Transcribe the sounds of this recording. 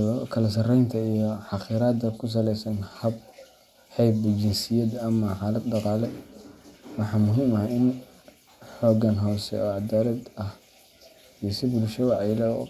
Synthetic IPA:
kʰɐlɐs̬ɐrɛjnt̪ʰɐijɔħɑqiːɾaːd̪ɐkʰʊs̬ɐlɛjsɐnhɐb | ħɛjbt͡ʃɪnsɪjɐd̪ɐmːɐħaːlɐd̪dɑqɑːlɛ | wɑħɑːmʊɦiːmɐhɐɪn | ħɔːɡɐnɦɔːsɛ̰ɔːʕɑd̪aːɾɐd̪ɐh | ijɔsɪbʊlʃɐwɑʕlɛ̰

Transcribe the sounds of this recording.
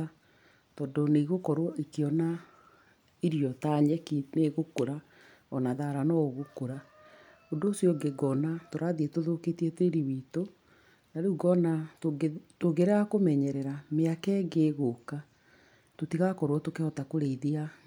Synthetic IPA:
tɔndoneiɣokɔɾwɔʔekeɔna | iɾjɔtaɲɛkineɣokoɾa | ɔnaðaɾanɔoɣokoɾa | ondoːsjɔɡeɡɔnatoɾaðiɛtoðoketiɛteɾiwiːto | naɾuːɡɔna | toɣeɾeakomɛɲɛɾɛɾameakɛɡeːɣoka | totiɣakɔɾwɔtokehɔtakoɾeiðia

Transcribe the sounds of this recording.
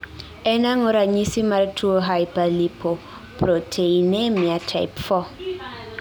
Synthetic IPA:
ɛnaŋɔɾaɲisimaɾtʰuoɦajpalipʰo | pɾotʰeinɛmiatʰa̰jpfɔ

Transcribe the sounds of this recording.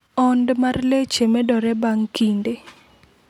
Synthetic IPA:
ɔndmarlet͡ʃemɛdɔɾɛbaŋkinde

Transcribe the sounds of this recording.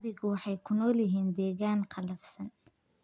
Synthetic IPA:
ðɪɣʊwɑħɑjkʰʊnɔːljɪɦiːnd̪ɛːɣaːnqʰɑlɐfsɐn

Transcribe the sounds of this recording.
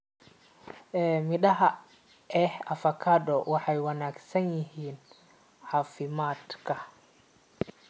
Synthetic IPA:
ʔɛːmɪɗɐɦɐ | ʔɛhɐfɐkʰadɔwɑħɑjwɑnaːɡsɐnjɪɦiːn | ħɑːfɪmaːd̪kʰɐ

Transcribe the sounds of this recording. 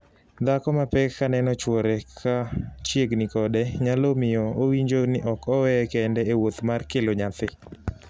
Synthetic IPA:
d̪akɔmapɛkːanɛnɔt͡ʃwɔɾɛkʰat͡ʃjeɡnɪkɔdɛɲalomɪjɔowiɲd͡ʒonɪʔɔkɔwɛkɛndɛewot̪markeloɲat̪ɪ

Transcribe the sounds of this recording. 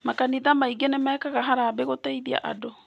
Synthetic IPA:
makaniðamaiɡenemaɛkaɣaɦaɾaːbeɣoteiðia̰ʔa̰do

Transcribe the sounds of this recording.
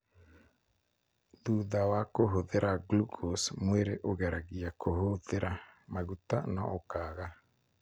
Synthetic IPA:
ðuðawakoɦoðeɾʔaɡlukosmweɾeʔoɣɛɾaɣiakohoðeɾamaɣutanɔokaːɣa

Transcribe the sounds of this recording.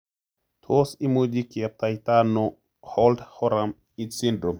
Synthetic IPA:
t̪ʰosimud͡ʒikiap̚t̪ajt̪ano | holdhoɾam | itsindɾom

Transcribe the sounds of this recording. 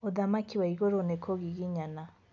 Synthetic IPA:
odamakiwaiɡoɾonekʰoɡiɡiɲana

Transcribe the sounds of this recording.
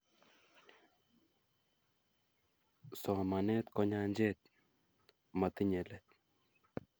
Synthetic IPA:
sɔːmaneːt̪kɔɲaːnd͡ʒeːt̪̚ | mɐt̪iɲelet̪

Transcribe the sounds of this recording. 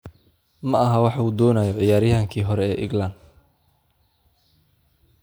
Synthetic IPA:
mɐʔɐɦɐwɑħuːd̪ɔːnɐjɔʕɪjaːɾjɐɦɐŋkʰiːɦɔɾɛɛːʔɪ̰ɡland̪

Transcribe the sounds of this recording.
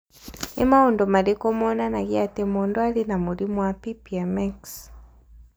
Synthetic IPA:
ḛmaondɔmalikɔmɔnanaɣiatemɔːndwalinamulimwapipiamaks

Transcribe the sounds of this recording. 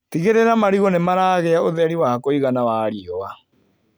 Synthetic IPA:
tiɣeɾeɾamaɾiɣɔnemaɾaːɣeaoðɛɾiwaakoiɣanawaːɾiɔwa

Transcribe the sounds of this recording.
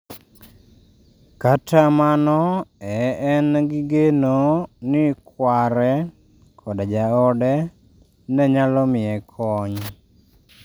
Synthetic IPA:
katʰamanɔɛɛnɡɪɡenonɪkwaɾɛ | kʰɔdad͡ʒaɔdɛ | nɛɲalɔmɪɛkʰɔɲ

